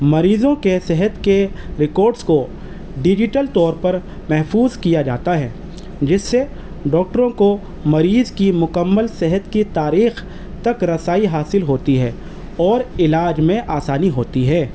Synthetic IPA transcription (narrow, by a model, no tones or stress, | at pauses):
mɐɾiːzõkesɛɦət̪keɾɪkɔːɾɖsko | ɖɪd͡ʒɪʈəlt̪ɔːɾpɐɾ | mɛɦfuːzkijad͡ʒa̰ːt̪aɦɛː | d͡ʒɪsːe | ɖɔːk̚ʈəɾõko | mɐɾiːzkimʊkəmːəlsɛɦət̪kit̪aːɾiːx | t̪ɐkɾɐsaːiɦaːsɪlɦoːt̪iɦɛː | ɔːɾɪlaːd͡ʒmẽʔaːsaːniɦoːt̪iɦɛː